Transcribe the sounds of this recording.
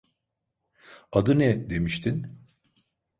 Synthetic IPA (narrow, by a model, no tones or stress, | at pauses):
ad̪ɯnɛd̪e̞miʃt̪ʰin